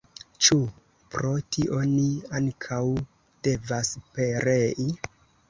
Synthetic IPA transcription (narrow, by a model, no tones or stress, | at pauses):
t͡ʃu | pɾo̞tiʔo̞niaŋkʰaw | d̥e̞vaspe̞ɾe̞ʔi